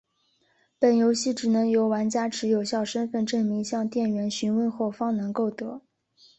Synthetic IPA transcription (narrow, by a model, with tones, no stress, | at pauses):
pə˨˩njo˧˥ʊɕi˥˩ʈ͡ʂɻ̩˨˩nɤ˧˥ŋjo˧˥ʊwa˧˥nt͡ɕja˥ʈ͡ʂʰɻ̩˧˥jo˨˩ʊɕjɑ˥˩ʊʂə˥nfə˥˧nʈ͡ʂɤ˥˩ŋmi˧˥ŋɕjɑ˥˧ŋt̪jɛ˥˩nɥɛ˧˥nɕy˧˥nwə˥˧nxo˥˩ʊfɑ˥ŋnɤ˧˥ŋko˥˩ʊt̪ɤ˧˥